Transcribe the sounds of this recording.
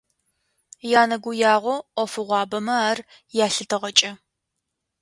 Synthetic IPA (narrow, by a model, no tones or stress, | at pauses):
jaːnɐɡʷʊjaːʁʷɔʔʷɔfɨʁʷɑːbɐmɐaːr | jaːɬɨtʰɨʁɐt͡ʃʼɐ